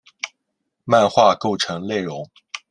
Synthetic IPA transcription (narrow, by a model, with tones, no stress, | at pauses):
ma˥˧nxwa˥˧ko˥˩ʊʈ͡ʂʰɤ˧˥ŋle˥˩ɪɻʊ˧˥ŋ